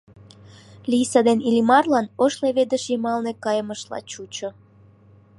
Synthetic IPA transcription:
lijsəd̪enilʲimɑrlɑnoʃleβed̪əʃimɑlnekɑjəməʃlɑ̰t͡ɕut͡ɕo

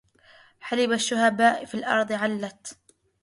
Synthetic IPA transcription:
ħalɪbaʃːʊhabaːʔfilʔɑ̰ɾˤðˤʕalːat̪

